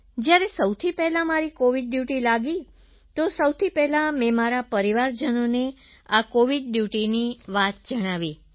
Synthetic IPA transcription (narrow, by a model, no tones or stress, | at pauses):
d͡ʒjaɾesəwt̪ʰipɛɦlamaɾikoʋiɖːjuʈilaɡi | t̪osəwt̪ʰipɛɦlamɛmaɾapəɾiʋaɾd͡ʒənone | akoʋiɖɖjuʈiniʋat̪̚d͡ʒəɽ̃aʋi